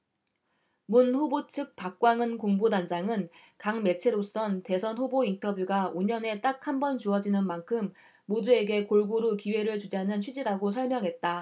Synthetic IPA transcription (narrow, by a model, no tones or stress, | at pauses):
munɸobot͡ɕʰɯk̚p͈ak̚k͈waŋɯnkoŋbodand͡ʑaŋɯn | kaŋme̞t͡ɕʰeɾos͈ʌnte̞sʰʌnɸobointʰʌbjuɡaoɲʌne̞t͈ak̚hambʌnt͡ɕuʌd͡ʑinɯnmankʰɯmː | odue̞ɡe̞koɭɡoɾukiwe̞ɾɯɭt͡ɕud͡ʑɦanɯnɕʰɥid͡ʑiɾaɡosʰʌɭmjʌŋɦe̞t̚t͈a